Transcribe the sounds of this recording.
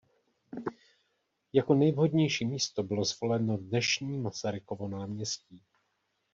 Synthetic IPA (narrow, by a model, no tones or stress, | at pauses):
jako̞nɛjvɦo̞dɲɛjʃiːmiːst̪o̞bɪlo̞zvo̞lɛnodnɛʃɲiːmasaɾɪkovo̞naːmɲɛsciː